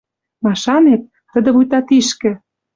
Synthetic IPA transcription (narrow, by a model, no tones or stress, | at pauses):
mɑʃɑnet̪̚ːə̆d̪ə̆βujt̪ɑt̪iʃkɘ̆